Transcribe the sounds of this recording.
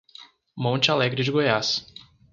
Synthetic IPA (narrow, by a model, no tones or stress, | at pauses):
mõt͡ʃɪalɛɡɾɪd͡ʒɪɡojas